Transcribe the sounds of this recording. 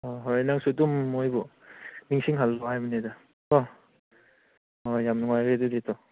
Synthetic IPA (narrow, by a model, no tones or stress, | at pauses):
oɦojnaŋsudumːojbu | niŋsiŋɦalːɔɦajmaneda | ɔ | ojamnuŋajɾeduditʰɔ